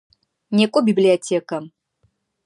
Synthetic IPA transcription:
nʲekʷʼɔbʲiblʲiɐtʲʰekʼɐ

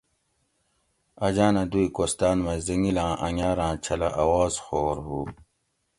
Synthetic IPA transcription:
ɐd͡ʑaːnɐd̪uikost̪aːnmɐziŋilãːʔɐŋaːɾãːt͡ɕʰɐlɐʔɐwaːzxoːɾɦu

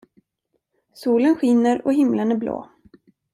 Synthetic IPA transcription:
suːlənɧɪnːəɾɔɦɪmlənæɾblo̰ː

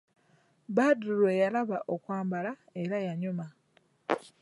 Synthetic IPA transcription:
badɾuɾwejalaβaʔokwaːmbala | e̞ɾajaɲuma

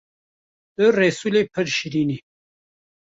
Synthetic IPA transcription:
d̪̥əɾeːsulepʰəɾɕiɾini

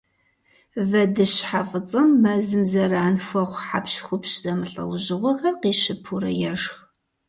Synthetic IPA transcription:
vɐdɨɕħafʼɨt͡sʼɐmːɐzɨmzɐraːnfʷɐχʷħa̰pɕxʷʊpɕz̥ɐmɨɬʼɐ̰wʑɪʁʷɔɣɐrqiːʃɪpʰuɾɐ̰jɛʂx

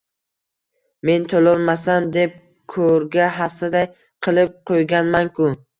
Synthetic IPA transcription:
me̞nt̪ʰolɒlˠmasamd̪e̞p̚ | kʰɵɾɡʲaɦasɪd̪aj | qʰɨlˠɪp̚qʰojɡʲanmankʊ

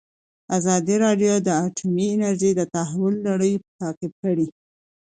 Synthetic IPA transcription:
azɑd̪iɾɑɖjod̪əaʈʰumiɪnaɾʒəjd̪ət̪aɦawʊlːaɽəjpə̥t̪ɑkɪb̚kəɽi

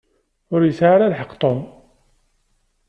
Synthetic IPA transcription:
ʊɾjəsʕaɾalħəqt̪ˤon

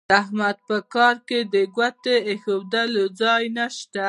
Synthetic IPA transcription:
aɦmad̪̚pəkɑɾked̪əɡwat̪eexowd̪alod͡zɑjnaʃt̪a

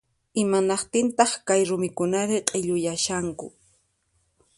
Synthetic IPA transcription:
ɪmanɑqt̪ɪnt̪ɑχkajɾʊmɪkʊnaɾɪqʼeʎʊjaʃaŋkʊ̰

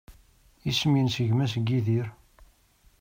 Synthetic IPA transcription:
isəmjənsəʝmæs̬ɡːiðiɾ

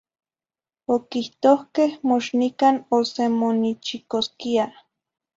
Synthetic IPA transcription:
okiht̪ohkehmoʃnikanosemonit͡ʃikoskia

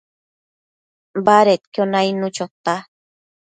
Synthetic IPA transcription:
baɾet̪kjonajnut͡ʃot̪a

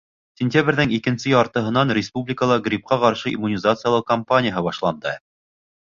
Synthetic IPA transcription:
sʲɪnʲtʲabɾʲðɘŋikɘ̆nsɘjɒɾt̪ɤ̆ɦɤ̆nɑnrʲɪspublʲɪkəlˠɑɡɾʲip̚qɑqɑɾʃɤḭmːunʲɪzat̪sɨjalˠɤq̚kɐmpanʲɪjəɦɤbɑʃlˠɑnd̪ɤ

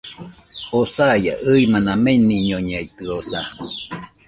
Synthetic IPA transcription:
osaja̰ʔɯimanameniɲoɲeit̪ɯosa

